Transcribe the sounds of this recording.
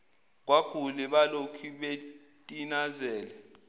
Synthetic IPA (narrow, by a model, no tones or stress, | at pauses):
k̬wakʰulɛɓalokʰiɓe | tʼinazɛːlɛ